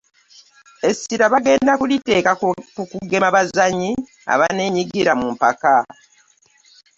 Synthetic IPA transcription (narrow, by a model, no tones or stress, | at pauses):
e̞siɾaβaɡe̞ːndakulite̞ːkakukuɡe̞maβazaɲi | a̰βane̞ɲiɡiɾamumpa̰ka